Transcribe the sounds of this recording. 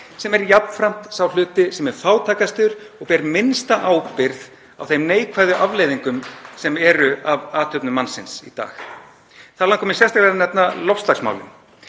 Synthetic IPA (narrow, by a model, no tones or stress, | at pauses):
sɛmɛɾjapnfɾam̥t̪sawl̥ʏːt̪ɪsɛmɛɾ̥faːwt̪ʰaːkast̪ʏɾɔɣpɛɾmɪnst̪aʔaːwpɪɾð | awθejmneːjkʰvaːjðʏʔavleːjðiŋkʏmsɛmɛɾʏavaːt̪ʰœpnʏmansɪnsḭt̪a̰ːx | θaðlaŋkʰɔmɪnsjɛst̪aklɛɾanɛpnalɔfst̪laksma̰wlɪ̰n